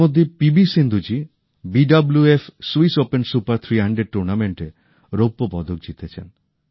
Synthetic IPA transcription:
od̪ʱːepibisind̪ʱud͡ʑi | biɖabluefsuisopensupaɾt̪ʰɾiɦaɳɖeɖ̚ʈuɾnameɳʈe | ɾopːobɔd̪ʱok̚d͡ʑit̪et͡ɕʰḛn

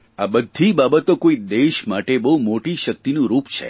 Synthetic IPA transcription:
abəd̪ʱːibabət̪okoid̪eʃmaʈebəɦumoʈiʃək̚t̪inũɾupt͡ʃʰḛ

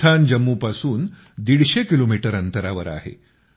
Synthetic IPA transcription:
t̪ʰand͡ʑəmːupasuːn | d̪iɽɕekilomiʈəɾənt̪əɾaʋəɾa̰ɦḛ

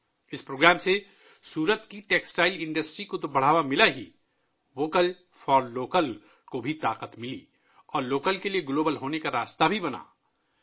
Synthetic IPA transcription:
ɪspɾoːɡɾaːmse | suːɾət̪kiʈeːksʈaːɪlɪ̃ɳɖəsʈɾikot̪obɐɽ̤aːʋamɪlaɦi | ʋoːkəl | fɔːɾloːkəl | kobʱit̪aːqət̪mɪli | ɔːɾloːkəlkelieɡloːbəlɦoːnekaɾaːst̪abʱibɐna̰ː

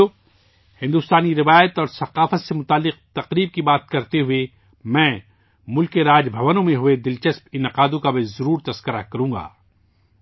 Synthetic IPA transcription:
o | hɪ̃nd̪uːst̪aːniɾɪʋaːjət̪ɔːɾsɐqaːfət̪semʊt̪aːlːɪq̚t̪ɐqɾiːb̚kibaːt̪̚kɐɾt̪eɦʊe | mɛ̃ː | mʊlkeɾaːd͡ʒbʱɐʋənõmẽɦʊed̪ɪlt͡ʃɐspɪnɪqaːd̪õkabezɐɾuːɾt̪ɐskəɾakɐɾũːŋɡa̰ː

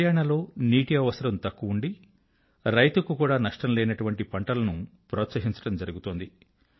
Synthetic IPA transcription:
jaːɳɐlo̞ːniːʈiɐʋɐsɐɾɐmt̪ɐkːuuɳɖi | ɾɐjt̪ukukuːɽaːnɐʂʈɐmlɛːnɐʈuʋɐɳʈipɐɳʈɐlɐnupɾoːt̪sɐɦiɲt͡ʃɐ̥ɽɐmd͡ʒɐɾuɡut̪oːnd̪i

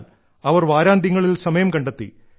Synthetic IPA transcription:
ɐʋɐrʋaːɾaːnd̪ʱiɐŋːɐɭilsɐmɐjɐmkɐɳɖet̪ːḭ

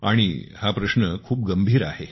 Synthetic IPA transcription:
aɽ̃ihapɾəɕnəkʰuːp̚ɡəmbʱiːɾa̰he

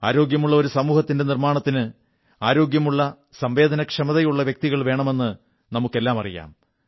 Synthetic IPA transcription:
a̰ːɾo̞ːɡjɐmuɭːɐo̞ɾusɐmuːhɐt̪ːinde̞nirmaːɳɐt̪ːinɨ | aːɾo̞ːɡjɐmuɭːɐ | sɐmʋe̞ːd̪ʱɐnɐkʂɐmɐðɐjuɭːɐʋjɐk̚t̪iɣɐɭʋe̞ːɳɐme̞nːɨ | nɐmukːe̞lːaːmɐrḭja̰ːm

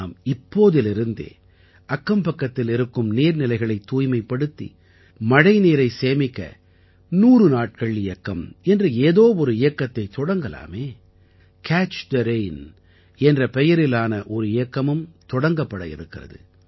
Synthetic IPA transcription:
aːmɪpːoːðɪlɪɾɯnd̪ḛː | ʔɐkːɐmpɐkːɐt̪ːɪlɪɾɯkːɯmneːɾnɪlɐɪɣɐɭɐɪt̪ːuːjmɐɪpːɐɽɯt̪ːḭ | mɐɽɐɪneːɾɐɪseːmɪkːɐ̰ | nuːrɯnaːʈ̚kɐɭɪjɐkːɐmɛndrɯeːðoːɔɾɯɪjɐkːɐt̪ːɐɪt̪ɔɽɐŋɡɐla̰ːmeː | kʰaːt͡ʃd̪ɐɾeɪn | ɛndrɐpɛjɐɾɪlaːnɐʔɔɾɯɪjɐkːɐmɯmt̪ɔɽɐŋɡɐpːɐɽɐ̰jɪ̰ɾɯkːɪrɐ̰ðɯ̰

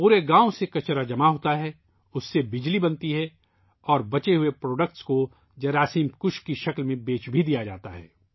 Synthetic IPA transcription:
puːɾeɡãːõsekɐt͡ʃɾad͡ʒɐmaɦoːt̪aɦɛ | ʊsːebɪd͡ʒlibɐ̃nt̪iɦɛ | ɔːɾbɐt͡ʃeɦʊepɾoːɖək̚ʈsko | d͡ʒɐɾaːsiːmkʊʃkiʃɐklmẽbeːt͡ʃbʱid̪ijad͡ʒa̰ːt̪aɦɛ̰ː

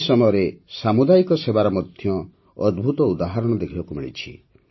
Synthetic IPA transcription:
sɔmɔjɔɾesamud̪ajikɔsebaɾɔmɔd̪ʱjɔ | ɔd̪bʱut̪ɔud̪aɦaɾɔɽ̃ɔd̪ekʰibakumiɭḭt͡ʃʰḭ

